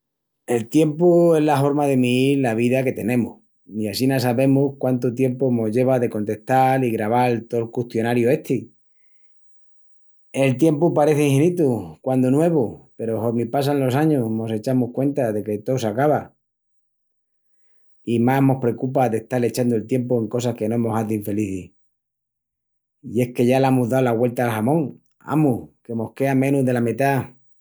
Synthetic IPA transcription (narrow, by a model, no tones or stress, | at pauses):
e̞lt̪je̞mpue̞zlaɦo̞ɾmað̞e̞miiɾlaβ̞iðake̞t̪e̞nẽ̞mṵh | iasinas̬aβe̞muhkwant̪ot̪̬je̞mpomo̞zʝe̞β̞aðe̞ko̞nt̪e̞ht̪aliɣɾaβalt̪o̞lkuht̪jo̞naɾjue̞ht̪ʰi | e̞lt̪je̞mpupaɾe̞θeiŋhenit̪ukwand̪onwe̞β̞upe̞ɾo̞hoɾmipas̬aenlo̞s̬aɲomo̞se̞t͡ʃamuhkwe̞nt̪aðe̞ke̞t̪o̞sakaβa | imahmo̞hpɾe̞kupaðeht̪ale̞t͡ʃand̪oe̞lt̪je̞mpue̞ŋko̞s̬ahke̞noemo̞saðuiɱfe̞liθih | ie̞hke̞ʝalaemuɦðaolaɣwe̞lt̪aːlxamõ̞ŋ | a̰muke̞mo̞hke̞amẽ̞nuzðe̞lamit̪a